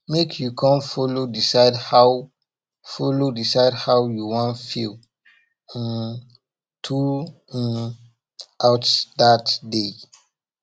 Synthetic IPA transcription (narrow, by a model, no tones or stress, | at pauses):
mekʰjukʰɔ̃mfolodisaɪdha | folodisaɪdhawjuwɔ̃nfil̃ | tʰũ | awtdatde